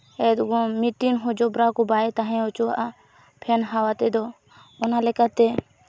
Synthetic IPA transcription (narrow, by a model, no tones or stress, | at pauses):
ɛd̪ɡɔmit̪inɦɔd͡ʒɔbɾakɔbaɛt̪aɦɛ̃ɔt͡ʃuwaʔa | pʰɛnɦawat̪ɛd̪ɔ | ɔnalɛkat̪ɛ